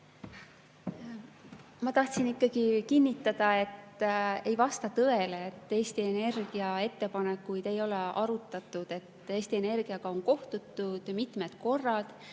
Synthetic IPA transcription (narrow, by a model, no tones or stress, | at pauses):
mɑt̪ɑht̪sinikˑːɑɡ̥ikinːit̪ːˑɑd̪̥ɑe̞t̪e̞jvɑst̪ɑt̪ɤ̞e̞leːt̪ːˑe̞ːst̪ie̞ne̞rɡ̥iɑe̞t̪ːe̞pɑnekːujd̪̥e̞jo̞leʔɑɾut̪ːˑɑt̪ːˑud̪̥e̞t̪ːe̞ːst̪ie̞ne̞rɡ̥iɑɡ̥ɑo̞nko̞ht̪ut̪ːˑud̪̥mit̪ˑme̞d̪̥ko̞rːɑd̪̥